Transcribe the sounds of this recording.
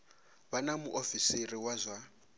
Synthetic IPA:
βanamuʔofiseriwazʷa

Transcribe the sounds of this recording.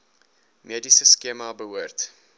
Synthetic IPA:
medisəskemɑbəɦuərt

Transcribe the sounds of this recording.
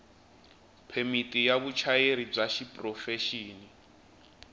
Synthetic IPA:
pʰemitʼijaβut͡ʃʰajeɾib͡ʐaʃipʼrɔfɛʃiːni

